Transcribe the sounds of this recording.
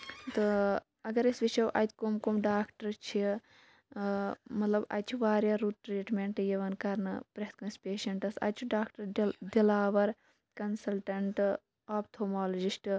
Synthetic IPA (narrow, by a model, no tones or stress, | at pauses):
t̪ɨ | ɐɡɐɾisʋiʃɐwʔɐjt̪ʰʲkomkomɖaːkʈɐɾt͡ʃʰi | mɐt̪lɐbɐ̰t͡ʃʰuʋaːɾjaːɾuʈɾiːʈmeɳʈjɐʋɐnkɐɾnɨ̰pɾɐɦt̪̚kɐnspeːʃɐɳʈɐsɐ̰t͡ʃʰuɖaːkʈɐɾd̪ilaːʋɐɾ | kɐnsɐlʈɐɳʈ | aːp̚t̪ʰoːmaːlod͡ʒisʈ